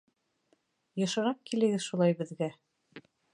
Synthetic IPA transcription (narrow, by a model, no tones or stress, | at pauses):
jɤ̆ʃɤ̆ɾɑp̚kilɘ̆ɡɘðʃulˠɑjbɘ̆ðɡæ